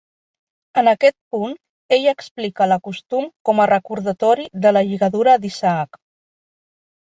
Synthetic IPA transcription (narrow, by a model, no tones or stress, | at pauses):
ənəkɛt̪̚pun | eʎəksplikələkust̪umkɔmərəkuɾðət̪ɔɾiðələʒiɣəðuɾəd̪isaak